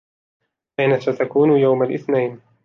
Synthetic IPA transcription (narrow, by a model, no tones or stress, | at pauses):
ʔɪnasat̪akuːnjawmalʔɪθnajn